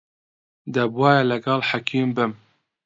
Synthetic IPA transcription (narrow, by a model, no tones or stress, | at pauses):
d̪ɛbwɑːjɛlɛɡalħakʰiːmbɪm